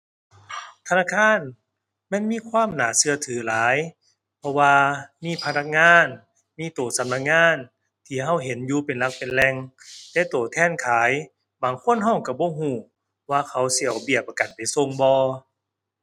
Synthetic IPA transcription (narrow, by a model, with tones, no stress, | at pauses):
t̪ʰa˧naː˧˥˨kʰaː˧˥˨n | ma˧˥˨nmiː˧˥˨kʰwaː˧˥˨mnaː˨˦sɯ˧ɐt̪ʰɯː˨˦laː˨˦j | pʰɔ˧waː˧miː˧˥˨pʰa˧na˧˥k̚ŋaː˧˥˨n | miː˧˨t̪oː˨˩sa˨˦mna˧˥k̚ŋaː˧˥˨n | t̪ʰiː˧˩ɦa˧˥˩wɦe˨˦njuː˧˦pe˨˩nla˧k̚pe˨nlɛ˧ŋ | t̪ɛː˧˦t̪oː˨˩t̪ʰɛː˧˥˨nkʰaː˨˦j | baː˨˩ŋkʰo˧˥˨nɦɔ˧˩˨ŋka˧˩bɔː˧˦ɦuː˧˩ | waː˧kʰa˨˦wsi˧˨a˨wbi˧˩əp̚ːa˧ka˨˩npa˨˩jso˧˨ŋbɔː˧